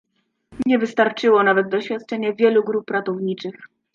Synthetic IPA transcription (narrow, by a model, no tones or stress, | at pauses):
ɲɛvɘst̪aɾt͡ʂɘwɔnavɛt̪̚d̪ɔɕfʲjat̪̚t͡ʂɛɲɛvʲjɛluɡɾupːɾat̪ɔvɲit͡ʂɘx